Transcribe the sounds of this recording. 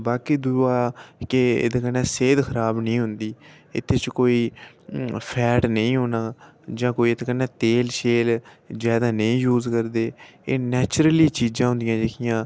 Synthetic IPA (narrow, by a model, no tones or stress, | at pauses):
baːkiːd̪ʊɾaːkeḛːd̪aːkənɛːseːd̪kʰəɾaːbnĩːɦʊnd̪iː | ɪ̰t̪ʰːeːt͡ʃkoːiː | pʰɛːʈnəĩːɦoːnaː | d͡ʒãːkoːiːt̪ʰːkənːɛːt̪eːlʃeːlzjaːd̪aːnəĩːjuːzkəɾd̪eːeːnɛːt͡ʃɾəliːt͡ʃiːd͡ʒãːɦʊ̃nd̪ɪjãːd͡ʒeːkʰɪjãː